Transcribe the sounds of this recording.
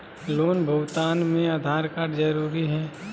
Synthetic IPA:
loːnbʱɐwt̪aːnmẽɐd̪ʱaːɾkaːɾd͡ʒɐɾuːɾiɦɛː

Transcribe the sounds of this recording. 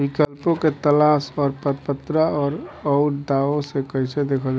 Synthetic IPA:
bikəlpõket̪əlasɔːɾpəɾpət̪ɾaɔːɾɔʊɾd̪aõsekəɦɪsed̪eːkʰəld͡ʒa

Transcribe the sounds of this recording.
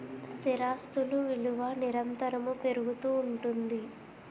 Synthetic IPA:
st̪ʰiɾaːst̪uluʋiluʋɐniɾɐnt̪ɐɾɐmupe̞ɾuɡut̪uːɳʈund̪i

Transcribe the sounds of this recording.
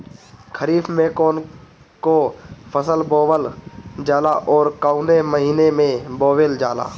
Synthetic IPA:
kʰəɾiːfmẽkɔːn | kopʰəsəlboːwəld͡ʒaːlaʔɔːɾkaːʊneməɦiːnemẽboːʋeːld͡ʒaːla̰ː

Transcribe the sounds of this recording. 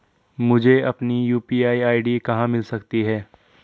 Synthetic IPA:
mʊd͡ʒʱeɐpnijuːpiːaːiaːiɖikɐɦãmɪlsɐkt̪iɦɛː

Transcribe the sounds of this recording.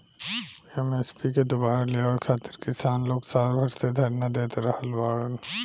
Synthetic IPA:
iɛmespiked̪obaːɾaleɔːɽkʰaːt̪ɪɾkɪsaːnloːɡsaːɾbʱɐɾsed̪ʱɐɾnad̪eːt̪ɾɐɦəlbaːɽən

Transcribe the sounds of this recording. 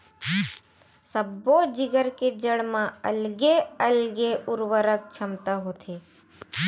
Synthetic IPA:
səbod͡ʒɪɡəɾked͡ʒəɽmãə̰lɡeəlɡeʔʊɾwəɾək̚t͡ʃʰəmt̪aɦoːt̪ʰeː

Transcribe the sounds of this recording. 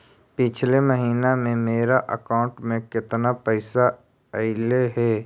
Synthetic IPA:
pɪt͡ʃʰleməɦiːnamẽmeːɾaʔə̰kaːʊ̃ɳʈmẽkɪt̪napɛɪsa | ɐɪleɦɛː

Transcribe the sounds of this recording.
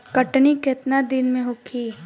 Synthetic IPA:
kəʈnikɪt̪nad̪ɪnmẽɦʊkʰiː

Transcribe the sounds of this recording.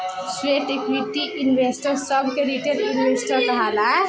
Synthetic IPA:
sweʈekʋiʈiʔinʋesʈəɾsəbʱkeɾiʈeɾinʋesʈəɾkəɦalaɛ

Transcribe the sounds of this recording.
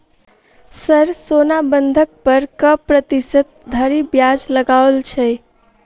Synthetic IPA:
səɾsonabənd̪ʱək̚pəɾkəpɾət̪isət̪̚d̪ʱəɾibjad͡ʒləɡaolt͡ʃʰɛ

